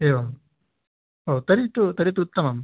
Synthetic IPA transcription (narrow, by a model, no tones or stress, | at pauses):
eːʋɐm | oːt̪ɐɾit̪ut̪ɐɾit̪uut̪ːɐmam